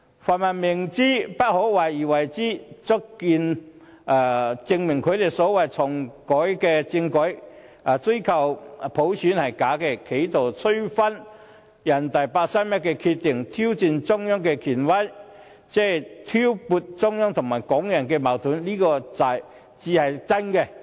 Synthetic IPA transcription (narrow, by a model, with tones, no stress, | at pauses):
faː˨˩nmaː˨nmɪ˨˩ŋt͡siː˥pɐ˥t̚ho˨˥wwaː˨˩jiː˨˩wɐ˨˩jt͡siː˥t͡sʊ˥kkiː˧n | aː˨˩t͡sɪ˧ŋmɪ˨˩ŋkʰɵ˨˧ɥt̪e˨˩jsɔː˨˥wɐ˨jt͡sʰɔ˨˩ŋkɔː˨˥jkɛː˧t͡sɪ˧ŋkɔː˨˥j | a˨t͡sɵ˥ɥkʰɐ˨˩wpʰo˨˥wsʰyː˨˥nhɐ˨˩jkaː˨˥kɛ˧kʰe˨˥jt̪ʰo˨˩wt͡sʰɵ˥ɥfɐ˥n | jɐ˨˩nt̪ɐ˨jpaː˧k̚sa˥mɛ˥kɛ˧kʰi˧t̪̚ɪ˨˩ŋt̪ʰiː˥wt͡siː˨˧nt͡sʊ˥ŋjɔː˥ŋkɛ˧kʰiː˨˩nwɐ˥j | t͡sɛː˥t̪ʰiː˥wpuː˧t̚t͡sʊ˥ŋjɔː˥ŋt̪ʰʊ˨˩ŋmaː˨˩jkɔː˨˥ŋjɐ˨˩nkɛː˧ma˨˩wt̪ʰuː˨˥nliː˥kɔː˧t͡sɐ˨˩j | t͡siː˨˧hɐ˨jt͡sɐ˥nkɛ˧